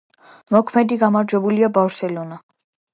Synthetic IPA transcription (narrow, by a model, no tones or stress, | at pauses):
mɔkʰmɛd̪iɡamaɾd͡ʒwɛbuliabafɾsɛlɔna